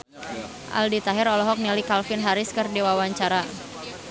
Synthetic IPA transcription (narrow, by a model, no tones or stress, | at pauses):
ʔa̰ldit̪aɦɪɾɔlɔɦɔk̚nilikalfɪnɦaɾɪskɨrdiwawaɲt͡ʃaɾa